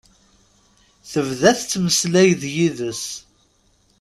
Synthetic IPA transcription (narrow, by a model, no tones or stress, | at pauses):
θəvðæθt͡sːməslæjðjiðəs